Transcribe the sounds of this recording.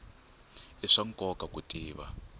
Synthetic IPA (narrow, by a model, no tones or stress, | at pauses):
iʂaŋkʼɔkʼakutʼiːβa̰